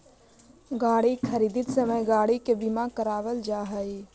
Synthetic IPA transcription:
ɡaːɽikʰəɾiːd̪it̪səməjɡaːɽikebimakəɾaːʋəld͡ʒaːɦəj

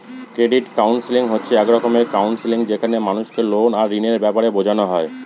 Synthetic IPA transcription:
kɾeɖiʈkawnsiliŋɦotːɕʰeɛkɾɔkomeɾkawnsiliŋd͡ʑekʰanemanuʃkelonaɾːineɾbɛpaɾebod͡ʑʱanoɦɔe

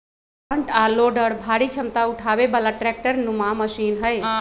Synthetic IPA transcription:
əɳʈaloːɖəɽbʱaɽit͡ʃʰəmt̪auʈʰabebalaʈɾɛk̚ʈəɾnumãməsiːnɦəj

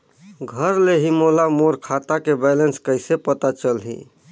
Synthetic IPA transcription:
ɡʱəɾleɦimolamoɾkʰat̪akebɛlenskəɪsepət̪at͡ʃəlɦḭ

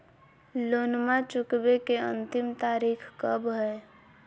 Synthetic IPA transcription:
loːnmat͡ʃʊkbekeə̰̃nt̪ɪmt̪aːɾiːkʰkəbɦɛː

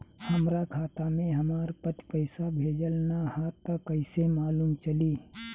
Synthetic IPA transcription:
həmɾakʰaːt̪amẽɦəmaːɾpət̪pəɪsabʱeːd͡ʒəlnahaːt̪ːəkəɪsemaːlumt͡ʃəliː

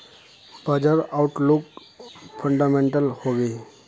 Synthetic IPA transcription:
bəd͡ʒəɾaʊʈluk | pʰə̃ɳɖamẽɳʈəlhoːɡe

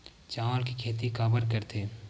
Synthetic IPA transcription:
t͡ʃaːʋəlkikʰeːt̪̬ikaːbəɾkəɾt̪ʰeː

